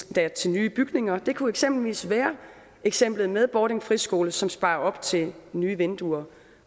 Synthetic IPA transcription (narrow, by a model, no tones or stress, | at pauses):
d̥æɐt͡sʰe̝lnyːb̥yɡ̥ne̝ŋɐd̥e̝kʰueɡ̥sem̰b̥l̩ʋḭːsʋæːɐ | eɡ̥sem̰b̥lð̩ˠmeðˠb̥ɒːɾeŋfʁisɡ̥o̝ːləsɒ̽msb̥ɑ̈ːɐɒ̽b̥t͡sʰe̝lnyːʋend̥uɐ